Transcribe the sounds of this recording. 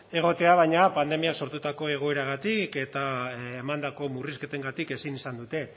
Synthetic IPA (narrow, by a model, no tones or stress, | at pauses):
e̞ɣ̞o̞t̪e̞aβ̞ajɲapand̪e̞miakso̞ɾt̪ut̪ako̞e̞ɣ̞o̞e̞ɾaɣ̞at̪ike̞t̪aemand̪ako̞muriske̞t̪e̞ŋɡat̪ike̞sinisand̪ut̪e̞